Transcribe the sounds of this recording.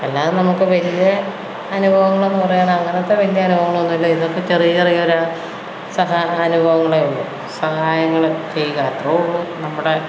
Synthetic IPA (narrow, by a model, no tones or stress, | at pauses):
elːaːðnɐmukːɨʋɐlijɐː | nubʱɐʋɐŋːɐɭe̞nːɨpɐrɐjaːnɐŋːɐneɐt̪ːeʋɐlijɐːnubʱɐʋɐŋːɐɭonːilːoiðokːe̞t͡ɕe̞rijɐirijɐoɾ | sɐɦaɐnubʱɐʋɐŋːɐɭeolːu | sɐɦaːjɐŋːɐɭt͡ɕe̞jːɣaːt̪roɭːunɐmːuɽe̞